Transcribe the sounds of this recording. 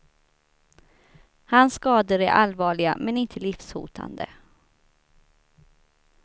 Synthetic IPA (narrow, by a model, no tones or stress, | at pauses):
hansːkɑːd̪əɾæɾʔalvɑːɭɪɡa̰mɛnɪnt̪ʰəlɪfshṵːt̪ʰa̰nd̪ə̰